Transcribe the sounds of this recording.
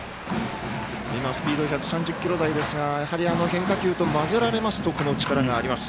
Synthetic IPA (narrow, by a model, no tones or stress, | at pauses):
imasɨ̥pʲiːd̪o̞çʲakɯ̟sãɲ̟d͡ʑɨkʲːiɾo̞d̪aid̪e̞sɨɡajahaɾʲiano̞hẽ̞ŋkakʲɨːt̪o̞mazɨɾaɾe̞masɨ̥t̪o̞ko̞no̞t͡ɕi̥kaɾaɡaːɾʲimasɨ̥